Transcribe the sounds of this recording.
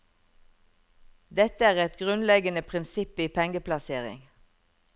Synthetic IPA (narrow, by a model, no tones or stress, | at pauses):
d̪ɛt̪əæːʁɛt̪ɡʁʉnlɛɡənəpʰʁɪnsɪpiːpʰɛŋəplɑseːʁɪ̰ŋ